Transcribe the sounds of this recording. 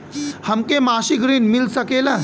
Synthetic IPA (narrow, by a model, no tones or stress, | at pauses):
hɐmkemaːʃiɡɾiːnmɪlsɐkeːla